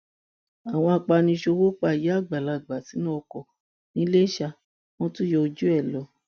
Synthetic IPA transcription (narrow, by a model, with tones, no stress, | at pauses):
a˨w̃ɔ̃˧a˧k͡pa˧nĩ˧ʃo˧wo˦k͡pa˧˨ji˨˦a˦˨ɡ͡ba˨la˧˨ɡ͡ba˨ti˨˦nã˦˧kɔ˨ | nĩ˨˦le˦i˦ʃa˧ | w̃ɔ̃˦tũ˦jɔ˧o˧d͡ʒu˦ɛ˦˨lɔ˨˦